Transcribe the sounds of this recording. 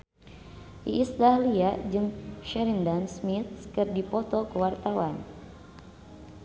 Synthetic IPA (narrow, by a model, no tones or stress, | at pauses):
ʔḭʔːsd̪ahliad͡ʒɨŋʃɛɾindansmit̪̚kɨrdipɔt̪ɔkəwart̪awan